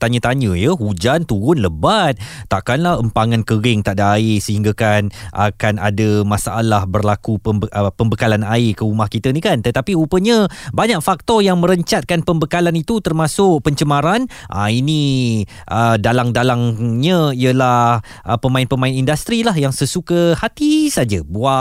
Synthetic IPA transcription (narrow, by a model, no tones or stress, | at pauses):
t̪aɲət̪aɲə̃jəhud͡ʒant̪uɾʊnləbat̪̚ːaʔkanlahəmpaŋankəɾɪŋt̪aʔdaːɪsəhiŋɡakanʔa̰kana̰dəmasaʔa̰lahbərlakuəbəəpəmbəkalanaɪkəumahkit̪ənĩkant̪ət̪apiupəɲə̃baɲak̚fak̚t̪ɔjaŋmə̃ɾəɲt͡ʃat̪̚kanpəmbəkalanit̪ut̪ərmasʊk̚pəɲt͡ʃəmaɾanʔa̰ini | ʔədalaŋdalaŋɲə̃iəlah | ʔəpəmãɪnpəmaɪnindast̪ɾilaɦjaŋsəsukəhat̪isad͡ʒabua